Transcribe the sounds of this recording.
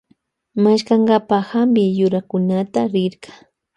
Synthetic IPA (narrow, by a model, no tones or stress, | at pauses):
maʃkaŋɡapahambɪjʊɾakʊnat̪aɾɪɾɢḁ